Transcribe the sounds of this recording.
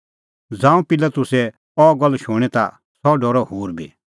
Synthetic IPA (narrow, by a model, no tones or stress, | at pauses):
d͡zãːũpɪlat̪ʊsɛ | ɔːɡɔlːʃoːɽ̃ɛt̪a̰ | sɔɖɔːɾɔhuːɾbʱḭ